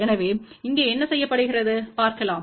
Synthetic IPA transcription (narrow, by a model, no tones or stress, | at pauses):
ɛnɐʋeːɪŋɡeːɛnːɐsɛjːɐpːɐɽɯɣɪrɐðɯpaːɾkɐlaːm